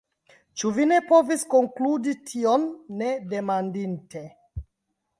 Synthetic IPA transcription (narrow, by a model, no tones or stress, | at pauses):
t͡ʃuvine̞po̞visko̞ŋkluditʰionːede̞mandinte̞